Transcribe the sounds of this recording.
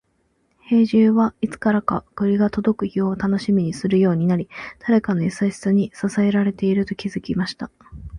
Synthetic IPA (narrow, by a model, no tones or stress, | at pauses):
he̞ːʑɨːβait͡sɨ̥kaɾakakɯɾʲiɡat̪o̞d̪o̞kɯ̟çio̞t̪ano̞ɕimʲiɲ̟isɨɾɯ̟jo̞ːɲ̟inaɾʲid̪̥aɾe̞kano̞isaɕi̥t͡sɨɲ̟isasae̞ɾaɾe̞t̪e̞iɾɯ̟t̪o̞kʲizɨkʲimaɕi̥t̪a